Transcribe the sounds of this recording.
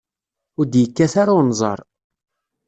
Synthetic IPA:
ʊɾd̪jəkːæθaɾanzˤɑ̰ɾˤ

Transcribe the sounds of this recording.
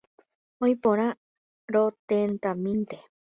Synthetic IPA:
ojpõɾ̃ã | ɾot̪ent̪amĩnt̪e

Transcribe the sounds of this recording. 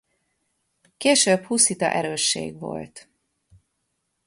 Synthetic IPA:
keːʃøbhusit̪ɒ̰ʔɛɾøːʃːḛːɡʋo̞̰lt̪

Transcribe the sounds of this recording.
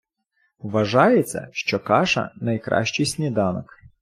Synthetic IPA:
ʋɐʒɑjet͡sʲːɐ̰ʃt͡ʃɔkɑʃɐ̰nɐjkɾʔɑ̰ʃt͡ʃisʲnʲid̪ɑnɔk

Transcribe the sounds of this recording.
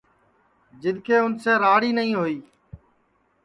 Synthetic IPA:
d͡ʒɪd̪ʱkʰeːʊnseːɾaːɽiːnəɦĩːɦoːiː

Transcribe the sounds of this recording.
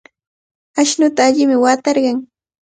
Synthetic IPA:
aʃnʊt̪aːʎɪmɪwat̪ɑɾɢɑŋ

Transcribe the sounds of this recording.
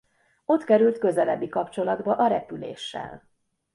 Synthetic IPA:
o̞t̪kɛɾylt̪kø̞zɛlɛbːikɒpt͡ʃo̞lɒd̪bɒʔɒɾɛpylḛːʃːɛ̰l

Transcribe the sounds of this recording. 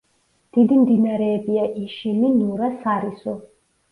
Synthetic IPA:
d̪̥id̪imd̪inaɾɛːbiaʔiʃilinuɾasaɾisu

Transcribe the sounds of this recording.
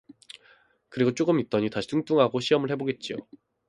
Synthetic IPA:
kɯɾiɡot͡ɕ͈oɡɯmit̚t͈ʌɲitaɕʰi̥tʰuŋt͈uŋɦaɡoɕʰiɦʌmɯɭhe̞boɡe̞t̚t͡ɕ͈io̰

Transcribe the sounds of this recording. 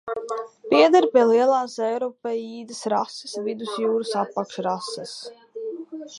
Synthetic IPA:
piɛd̪ɛɾpʲiɛliɛlˠɑːsɛjɾɔpɛjiːd̪ɨsɾasɨ̥svid̪usjuːɾusapːakʃɾasɛs

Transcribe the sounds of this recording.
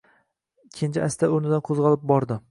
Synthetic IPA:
kʲʰent͡ʃʰaʔast̪ʰaoɾnɪd̪anqʰozʁɒlˠɪp̚bɒɾd̪ɪ

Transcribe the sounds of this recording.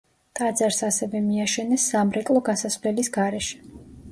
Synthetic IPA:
t̪ʼad̪zaɾsasɛvɛmiaʃɛnɛsːamɾɛkʼlˠɔɡasasvlɛlisɡaɾɛʃɛ̥

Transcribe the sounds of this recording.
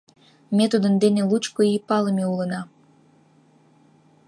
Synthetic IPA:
met̪ud̪ənd̪enelut͡ɕkoipɑləmeulənɑ

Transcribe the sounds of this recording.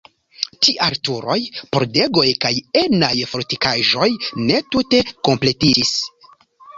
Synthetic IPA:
tiʔaɾtuɾo̞jpo̞ɾde̞ɡo̞jkajenajfoɾtikaʒo̞jne̞tute̞ko̞mple̞tid͡ʒis

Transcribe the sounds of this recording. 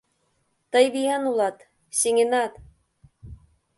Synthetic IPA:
t̪ɤjβijɑnulˠɑt̪ | seŋenɑt̪

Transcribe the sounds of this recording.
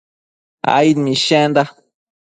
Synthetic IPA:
a̰jnmiʃɛnd̪a

